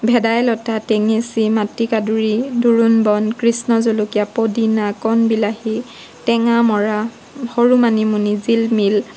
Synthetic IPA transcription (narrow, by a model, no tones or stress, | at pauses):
bʱɛdajlɔtatɛŋesimatikaduɹiduɹunbɔnkɹisnɔzolukijapodinakɔnbilahi | tɛŋamɔɹa | hoɹumanimunizilmil